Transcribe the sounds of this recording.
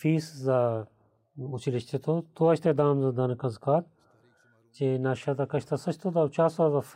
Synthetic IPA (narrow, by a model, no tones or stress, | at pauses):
fiːsza | ut͡ʃʰilit͡ʃʰt̪ʰet̪ʰot̪oɐt͡ʃʰt̪ed̪aːmzad̪ɐnɐkɐnzkaːt̪̚ | t͡ʃenaːʃat̪akɐʃʰt̪ʰɐsɐt͡ʃʰt̪ʰod̪awt͡ʃaːsaːzaf